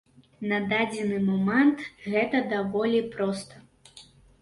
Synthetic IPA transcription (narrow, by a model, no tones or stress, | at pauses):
nɐd̪ad͡zʲɛnɨmɔmɛnt̪ɣɛt̪ɐd̪avɔlʲipɾɔst̪ɐ